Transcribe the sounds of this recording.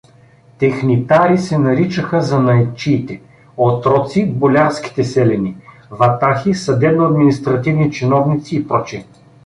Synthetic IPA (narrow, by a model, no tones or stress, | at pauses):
t̪ɛxnit̪aɾisɛnɐɾit͡ʃəxəzɐnɐjt͡ʃiːt̪ɛ | ot̪ɾɔt̪sibolʲaɾskʲi̥t̪ɛsɛlɛni | vɐt̪axisɐd̪ɛbnoɐd̪minist̪ɾɐt̪ivnit͡ʃinɔvnit̪siːpɾɔt͡ʃiɛ